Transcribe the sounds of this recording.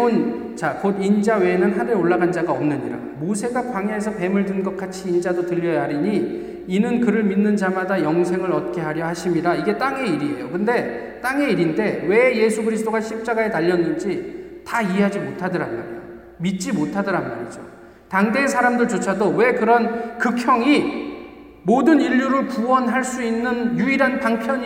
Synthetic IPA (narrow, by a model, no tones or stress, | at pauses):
n | t͡ɕakodind͡ʑawe̞ːnɯnɦaneoɭːaɡand͡ʑaɡaʌmnɯɲiɾa̰musʰe̞ŋɡak̚p͈aŋjaɦesʰʌpe̞mɯɭdɯnɡʌk͈at͡ɕʰiːnd͡ʑadotɯʎːʌjaɦaɾiɲi | inɯnkɯɾɯɭminːɯnd͡ʑamadajʌŋsʰe̞ŋɯɾʌt̚k͈e̞ɦaɾjʌhaɕʰimiɾaiɡe̞t͈aŋe̞iɾie̞̰jokɯnde̞ | t͈aŋe̞iɾinde̞we̞je̞sʰuɡɯɾisʰt͈oɡaɕʰip̚t͡ɕ͈aɡae̞taʎːʌnːɯnd͡ʑitaieɦad͡ʑimotʰadɯɾanɡa̰ɾo̰ | mit̚t͡ɕ͈imotʰadɯɾanmːa̰ɾid͡ʑo | taŋde̞ːs̬ʰaɾamdɯɭt͡ɕot͡ɕʰadowe̞kɯɾʌnkɯkʰjʌŋi | modɯniʎːuɾɯɭpuwʌnɦaɭs͈uinːɯnjuiɾanpaŋpʰjʌɲ